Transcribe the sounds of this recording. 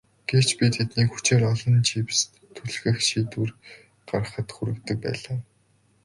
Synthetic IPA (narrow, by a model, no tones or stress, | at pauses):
ɡ̥ew̥t͡ɕpʲit̪ʰet̪niːxu̥t͡ɕeːrɔɮɞ̆nt͡ɕʰips | t̪ʰːuɮxɘ̆xʃiːt̪ur | ɢar̆χə̆t̪xuɾɘ̆kt̪ɵ̆k̚pæ̰ːɮaː